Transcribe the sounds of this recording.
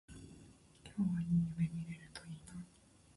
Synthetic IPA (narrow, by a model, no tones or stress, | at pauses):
kʲʰoːβaɲʲiɲibemiɾeɾɯ̟t̪oina